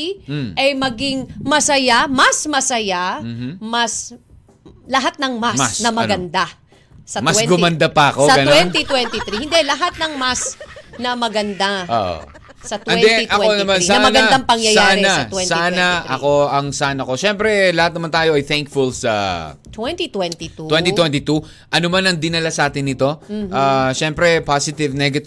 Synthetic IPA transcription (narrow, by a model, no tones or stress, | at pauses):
ʔɐjmɐɡiŋmɐsɐjamɐsmɐsɐjam̩ːmɐs | lɐɦat̪̚nɐŋmassnɐmɐɡɐnd̪a | sɐmɐswɛɡʊmɐnd̪apɐɐkosɐɡɐnwɛnt̪it̪wɛnt̪ɪt̪ɾihɪnd̪ɛlɐɦat̪̚nɐŋmasnɐmɐɡɐnd̪ao̰ʔo̰ | sɐt̪ɛnɛd̪ɛʔɐko̞nɐmansanɐmɐnɡɐd̪aŋpɐŋjɐjaɾɪnɐsɛnsaanɐʔɐko̞ɐŋsanɐko̞ʃɛmpɾɛlɐhat̪̚nɐmant̪aːjo̞ʔɐjθɛŋkfʊlsɐ̰t̪wɛnt̪it̪wɛnt̪it̪uwɛnt̪it̪wɛnt̪ɪt̪u | ʔɐnomanɐŋd̪ɪnɐlasʔaːt̪ɪnːɪt̪o̞mʔaʃɛmpɾɛpasɪt̪ɪvnɛɡɐ